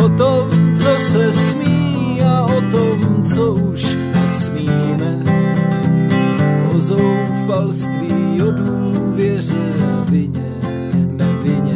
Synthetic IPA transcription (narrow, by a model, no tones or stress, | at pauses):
ot̪omt͡sosɛsmiː | aot̪omt͡souʃ | nɛsmiːmɛ | ʔozow | falst̪viːjoduːvjɛr̝ɛavɪɲɛ | nɛvɪɲɛ